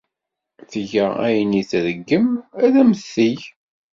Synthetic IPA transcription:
θəʝææ̰jəniθðəɡːəmæðæməθːiʝ

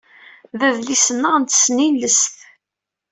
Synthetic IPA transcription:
ðæðlisənːəʁnt̪ə̥sninləsθ

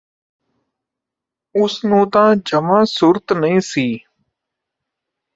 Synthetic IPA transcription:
ʊsnũːt̪ãːd͡ʒəmãːsʊɾt̪nəĩːsiː

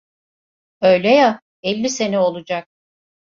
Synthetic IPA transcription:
øjlʲɛja | ɛlʲːise̞nɛo̞lˠud͡ʒak̚

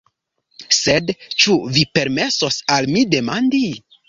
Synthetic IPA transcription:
se̞dt͡ʃuvipe̞ɾme̞so̞salmide̞mandi

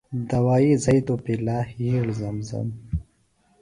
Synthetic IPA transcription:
d̪ɐwaːizɐjt̪opilaːhiɽzɐmzɐ̰m

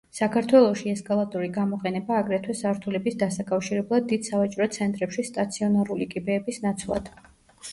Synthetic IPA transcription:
sakʰaɾt̪ʰwɛlˠɔʃiɛskʼalˠat̪ʼɔɾiɡamɔqʼɛnɛbaːɡɾɛt̪ʰwɛsaɾt̪ʰulɛbisd̪asakʼafʃiɾɛblˠad̪ːid̪̥savat͡ʃʼɾɔt̪sʰɛnt̪ʼɾɛpʃist̪ʼat̪sʰiɔnaɾulikʼibɛːbisnat̪sʰlˠa̰d̪̥

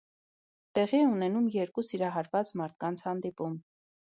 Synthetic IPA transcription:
t̪ɛʁiɛunɛnumjɛɾkusiɾɑɦɑɾvɑt͡smɑɾt̪̚ʰkɑnt͡sʰhɑnd̪ipum

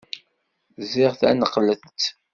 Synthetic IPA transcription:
ziʁθæ̰nəqːləθt̪

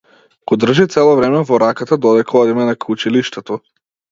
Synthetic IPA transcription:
ɡ̥ɔd̪r̩ʒit̪sɛlˠɔvɾɛmɛvɔɾakat̪ad̪ɔd̪ɛkʰaɔd̪imɛnakut͡ʃiliʃt̪ɛt̪ɔ

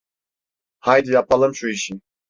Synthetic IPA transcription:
hajd̪ɯjapalˠɯmʃuiʃin

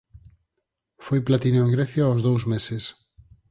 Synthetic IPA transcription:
fojplat̪inoeŋɡɾeθjaozðowzmeses

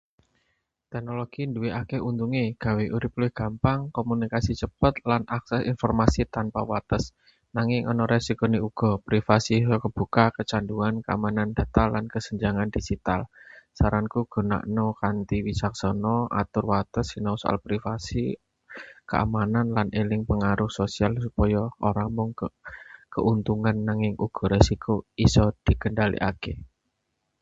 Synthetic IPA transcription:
t̪ɛk̚noloɡ̥induweʔakeʔunt̪uŋeɡ̥a̤weʔuɾɪp̚lɪhɡ̥a̤mpaŋkomunikasit͡ʃəpət̪̚lanaksɛsḭnfɔrmasit̪anpawat̪əs | naŋɪŋʔɔnɔɾɛsikɔniuɡ̥ɔ̤pɾifasiɦkəb̥ṳkakət͡ʃanduankəa̰manand̪̥a̤t̪alːankəsəɲd͡ʒaŋand̪̥id͡ʒ̥it̪a̰lsaɾankuɡ̥ɔ̤na̰ʔnokant̪iwisaksɔnɔʔa̰t̪ʊrwat̪əsinɔsɔʔa̰lpɾifasi | kəa̰mananlanʔelɪŋpəŋaɾʊhsosialsupɔjɔʔoɾaŋmʊŋ | kəʔunt̪uŋanːaŋɪŋʔuɡ̥ɔ̤ɾesikoisɔd̪̥i̤kənɖalḭʔa̰ke

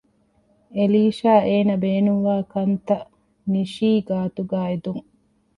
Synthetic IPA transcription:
eliːʃaːeːnɐbeːnuŋʋaːkɐnt̪ɐ | niʃiːɡaːt̪uɡaːed̪uŋ

